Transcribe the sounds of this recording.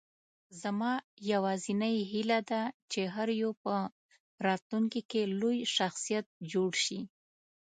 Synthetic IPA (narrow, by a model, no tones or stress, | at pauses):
zamɑ | jawɑzinajɦɪlad̪at͡ʃeɦaɾjopə | ɾɑt̪luŋkikelojʃaxsijat̪̚d͡ʒoɽʃi